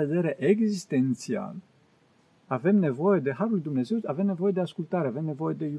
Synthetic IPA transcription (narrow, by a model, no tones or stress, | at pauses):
ed̪e̞ɾe̞ʔeɡzist̪e̞nt̪sia̰l | ave̞mne̞vo̞je̞d̪e̞ɦaɾulujd̪umne̞ze̞wave̞mne̞vo̞je̞d̪e̞askult̪aɾe̞ave̞mne̞vo̞je̞d̪e̞ju